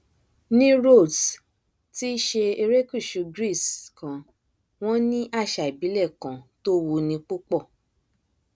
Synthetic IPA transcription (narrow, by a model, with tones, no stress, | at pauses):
nĩ˦ɾo˦˨d | ti˦ʃe˧e˧ɾe˦ku˦˨ʃu˧ɡɾi˦˨skã˨ | w̃ɔ̃˦nĩ˦ʔa˦˨ʃa˨i˨bi˨˦lɛ˦˨kã˨to˦wo˧nĩ˧k͡pu˦k͡pɔ˦˨